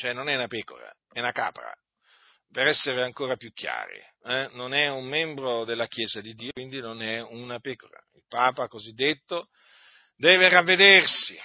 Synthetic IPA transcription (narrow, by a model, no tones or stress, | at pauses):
t͡ʃoɛnːonɛunapeːko̰ɾa̰ | ɛnaka̰ːpɾa̰ | peɾɛsːeɾeaŋkoːɾapjukʰːja̰ːɾḭɛnonɛumːɛmbɾod̪elːakjeːzad̪id̪ːiːwind̪inonɛunapeːkoɾa̰ilpaːpakozid̪ːet̪ːo | d̪ɛːveravːed̪ersi